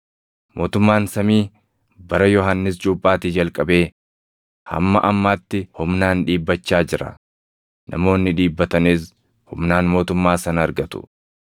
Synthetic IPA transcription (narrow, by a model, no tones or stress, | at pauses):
mʔo̞ːt̪ʊmːaːnsɐmiː | bɐɾɐjɔɦɐnːɪs̬t͡ʃʼuːpʼːaːt̪iːd͡ʒɐlkʼɐbe̞ː | hɐ̰mːɐʔɐmːaːt̪ːɪhʊmnaːnᶑiːbːɐt͡ʃːaːd͡ʒɪɾɐ̰ | nʔɐ̰mo̞ːnːɪᶑiːbːɐt̪ɐniːs̬ | hʊmnaːnmo̞ːt̪ʊmːaːsɐnɐɐɾɡɐt̪ʊ̥̰